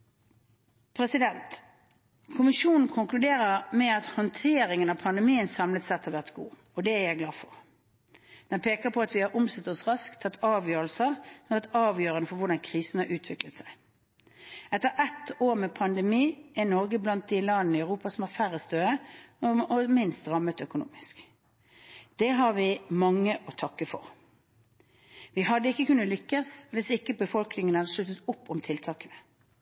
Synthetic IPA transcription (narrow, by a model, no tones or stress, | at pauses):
pʰɾɛsɪd̪ɛnt̪ | kʰʊmɪʃuːnn̩kʰʊŋklʉd̪eːɾəmɛɑt̪hɔnt̪ʰeːɾɪŋənɑʋpʰɑnd̪ɛmiːənsɑmlət̪sɛt̪hɑʋæʁt̪ɡṵː | ɔd̪ɛæjæɪɡlɑːfɔʁ | d̪̥ɛnpʰeːkəʁpʰɔɑt̪ʋɪhɑɾʔʊmsɛt̪ːɔsʁɑskt̪ʰːɑt̪ːɑːʋjøːɾəlsəʁɔmæʁt̪ɑːʋjøːɾənəfɔɾʋʊʁɖ̪ɑnkʰʁiːsn̩hɑɾʔʉːt̪ʰʋɪklət̪sæɪ | ɛt̪ːəɾɛt̪oːɾmɛpʰɑnd̪ɛmiːʔɛnɔʁɡəblɑnt̪̚d̪ɪlɑd̪nəɪœʉʁuːpɑsɔmhɑfæʁəst̪øːəɔɔmɪnst̪ʁɑmːət̪œkʊnṵːmɪsk | d̪̥ɛɦɑʁʋɪmɑŋːəʔɔt̪ʰɑkːəfɔ̰ʁ | ʋɪɦɑd̪ːəɪkːəkʉnːəlʏkːəsʋɪsɪkːəbəfɔlknɪŋənəhɑd̪əʂɭʉt̪ːət̪ʊpːɔmt̪ʰɪlt̪ʰɑːkənə